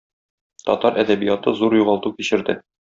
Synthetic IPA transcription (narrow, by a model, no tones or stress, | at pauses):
t̪ɒ̰t̪ɑɾʔæd̪æbijɑt̪ɤzuɾjuʁɑlˠt̪ukiɕɘ̆ɾd̪ɘ